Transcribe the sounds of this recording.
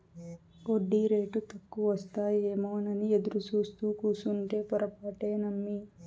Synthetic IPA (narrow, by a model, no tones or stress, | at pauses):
oɖːiɾe̞ːʈut̪ɐkːuʋɐst̪aːjeːmoːnɐnied̪uɾut͡ʃuːst̪uːkuːsuɳʈe̞ːpɔɾɐpaːʈe̞ːnɐmːi